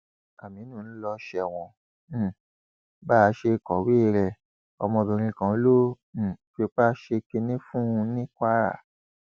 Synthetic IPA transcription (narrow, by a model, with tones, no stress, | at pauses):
a˨mĩ˨˦nũ˦˨n̩˦lɔ˧ʃɛ˨w̃ɔ̃˨ | ba˦˨˧ʃe˧kɔ˨wi˦˨ɾɛ˨ | ɔ̰˧mɔ̃˧˨bĩ˨ɾ̃ĩ˧kã˨˦lõ˦˨˦ | fe˧˦k͡pa˦ʃe˧ke˧nĩ˦fũ˦˧nĩ˦kʷa˦ɾa̰˦˨